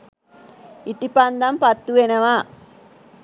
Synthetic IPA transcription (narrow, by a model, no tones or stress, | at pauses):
iʈipand̪ɐmpɐt̪ːuenɐʋa